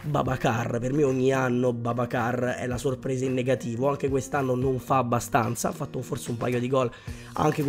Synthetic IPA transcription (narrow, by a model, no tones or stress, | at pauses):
ba̰bakarpermeoɲːianːobabakarɛ̰lasorpɾɛːzainːeɡat̪iːvoaŋk̟ekwest̪anːonoɱfaːbːast̪ant̪sa̰afːat̪ːofoɾt̪seumpa̰jod̪iɡɔl | a̰ŋk̟e